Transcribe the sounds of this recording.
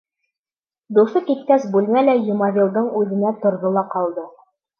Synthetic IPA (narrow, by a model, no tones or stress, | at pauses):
d̪usɤkit̪̚kæsbʉlmælæjumɑβʲilˠd̪ɤɴʉðɘ̆næt̪ŏɾðolˠɑqɑlˠd̪ɤ